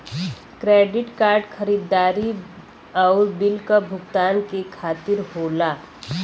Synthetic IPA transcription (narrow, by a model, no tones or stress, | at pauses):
kɾeːɖɪʈkaːɾɖxʰəɾiːd̪ːaːɾi | ɔːɾbɪlkabʱʊɡt̪aːnkekʰaːt̪ɪɾɦoːlaː